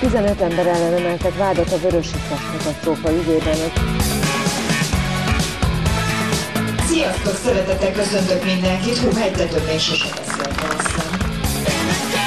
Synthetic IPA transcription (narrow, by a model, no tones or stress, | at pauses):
t̪izɛnø̞t̪ɛmbɛɾɛlːɛnɛmɛlt̪ɛkʋaːd̪ɒt̪ɒvøɾø̞ʃikːɒkmɒt̪ɒt̪oːkɒyɡøːbɛne | sijɒst̪oksɛɾɛt̪ɛt̪ɛkːø̞sø̞nt̪økmind̪ɛŋkit̪hoɟmɛɟt̪ɛt̪ønːeʃɛʃɛbɛseːlt̪ɛlɛst̪ɛn